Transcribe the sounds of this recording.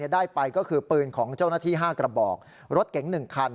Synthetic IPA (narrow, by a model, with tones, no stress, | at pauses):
i˥˩daː˥˩jpa˧jkɔː˥˩kʰɯː˧pɤː˧nkʰɔː˩˦ŋt͡ɕaː˥˩wnaː˥˩t̪ʰiː˥˩ɦaː˥˩kɾa˧bɔː˨˩k̚ | ɾo˦˥t̪̚kɛ˩˦ŋnɯ˨˩ŋkʰa˧n